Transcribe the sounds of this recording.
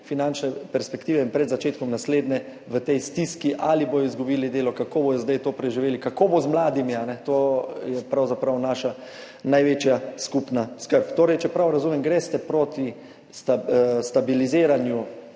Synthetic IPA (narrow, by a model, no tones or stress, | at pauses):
finant͡ʃnɛpɛɾspɛkt̪iːʋɛinpɾɛd̪zat͡ʃeːt̪̚kɔmnasleːd̪nɛ | ʋət̪ɛjst̪iskiʔaliboːjɔizɡubiːlid̪eːlɔkakoːboj̪ɔzd̪ajt̪oːpɾɛʒiʋeːlikakoːbozmlaːd̪imianɛt̪oːjɛpɾawzapɾawnaːʃa | najʋeːt͡ʃjaskupnaskəɾpt̪oːɾɛjt͡ʃɛpɾawɾazuːmɛmɡɾɛst̪ɛpɾoːt̪i | sst̪abilizeːɾanju